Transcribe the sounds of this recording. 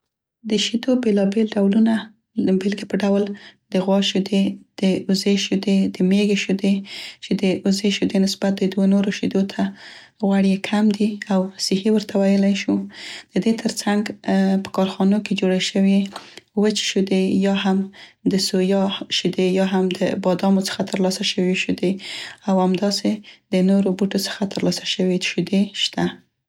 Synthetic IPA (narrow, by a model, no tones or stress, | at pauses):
d̪əʃid̪obelɑbelɖawluna | əbelɡipəɖawld̪əɣwɑʃud̪ed̪̥əʊzeʃud̪ed̪əmeɡeʃud̪et͡ʃed̪əʔʊzeʃud̪enɪsbat̪̚d̪əd̪wonoɾoʃid̪ot̪ʰa | ɣwaɽjekʰamd̪iawsɪhiwəɾt̪ʰawajəlajʃud̪̥əd̪et̪ʰəɾt͡saŋɡpə̥kɑɾxɑnoked͡ʒoɽaʃəwiwət͡ʃʃud̪ejɑɦamd̪əsojɑʃid̪ejɑɦamd̪əbɑd̪ɑmot͡sə̥xat̪əɾlɑsaʃəwiʃud̪eawamd̪ɑsed̪̥ənoɾobuʈot͡sə̥xat̪əɾlɑsaʃəweʃud̪eʃt̪a